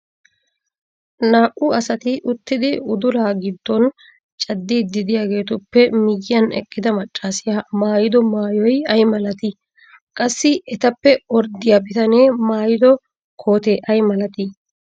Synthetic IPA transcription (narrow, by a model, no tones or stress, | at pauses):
naːʔʊɐsɐt̪ɪʔʊt̪ːɪd̪ɪʊd̪ʊlaːɡɪd̪ːɔn | t͡ʃʼɐd̪ːiːd̪ɪd̪ɪjaːɡe̞ːt̪ʊpːɛmɪjːɪjɐnɛ̰kʼːɪd̪ɐmɐt͡ʃʼːaːsɪjaːmaːjɪd̪ɔmaːjɔjɐjmɐlɐt̪ɪ | kʼɐsːɪɛt̪ɐpːɛɔɾd̪ɪjaːbɪt̪ɐneːmaːjɪd̪ɔ | kʰo̞ːt̪eːʔɐjmɐlɐt̪ɪ